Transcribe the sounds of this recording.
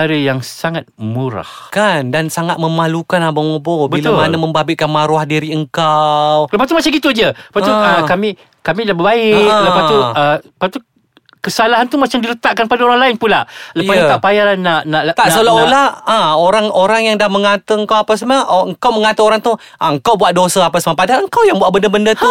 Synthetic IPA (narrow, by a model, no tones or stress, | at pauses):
aɾijaŋsaŋat̪̚muɾa̰hkandansaŋat̪̚məmalukanabamobobəilaʊmanaməmbabɪʔkanmaɾuahdiɾiəŋkawləpast̪umat͡ʃaŋɡit̪ud͡ʒəəpat̪uəkamĩ | kamilabəbaɪk̚ləpast̪uəəpat̪u | kəsalaɦant̪umat͡ʃamdilət̪aʔkanpadaoɾaŋlaɪnpulaləjpaət̪aʔpajaanaʔnaʔt̪aʔsolaolaãoɾaŋoɾaŋjaŋdahməŋat̪əəŋkawapas̬maəŋkawməŋat̪əoɾaŋt̪u | ʔaəŋkawbuaʔ̪̚dosaapasmapadaəŋkawjaŋbuatʔbəndəbəndət̪u